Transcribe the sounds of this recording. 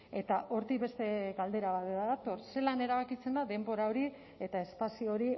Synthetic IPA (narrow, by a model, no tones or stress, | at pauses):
e̞t̪aʔo̞ɾt̪iβe̞st̪e̞ɣald̪e̞ɾaβat̪ðat̪o̞rse̞lane̞ɾaβ̞akit͡se̞nd̪aðe̞mbo̞ɾao̞ɾi | e̞t̪ae̞spasio̞ɾi